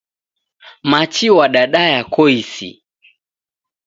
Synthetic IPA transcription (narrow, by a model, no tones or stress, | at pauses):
mat͡ʃiwaɗaɗajakɔisḭ